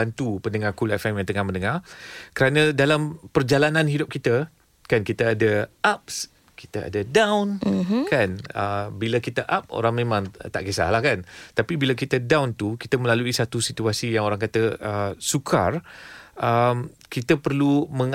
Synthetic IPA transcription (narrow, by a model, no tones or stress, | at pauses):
ant̪upənəŋarkulɛfɛmjaŋt̪əŋahmə̃ndəŋarkəɾanə̃dalampərd͡ʒalanãnhidʊp̚kit̪ə | kankit̪əːdəʔap̚s | ki̥t̪əa̰dədãwnkanəbilakit̪əʔap̚o̰ɾaŋmẽmãŋt̪a̰ʔkesa̰hlahkant̪apibilak̬it̪ədawnt̪ukit̪əməlaluisat̪usit̪uasijaŋoɾaŋkat̪əʔəsukʰarʔəm | kit̪əpərlumə̃ŋ